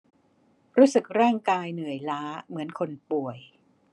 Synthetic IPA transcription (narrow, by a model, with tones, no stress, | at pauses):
ɾuː˦˥sɯ˨˩k̚ɾaː˥˩ŋkaː˧jnɯ˨˩əjlaː˦˥mɯ˩˦ənkʰo˧npu˨˩əj